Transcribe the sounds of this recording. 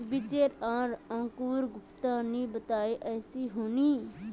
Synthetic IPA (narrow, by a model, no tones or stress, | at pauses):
bit͡ʃeɾaːɾãːkuːɾɡʊpt̪anibət̪aːiʔɛːsiɦoːni